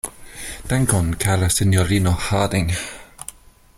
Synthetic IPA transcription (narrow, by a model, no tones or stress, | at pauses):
d̥ɛŋkʰɔnkʰɛɾasɪnjɔɾinɔhaadɪŋ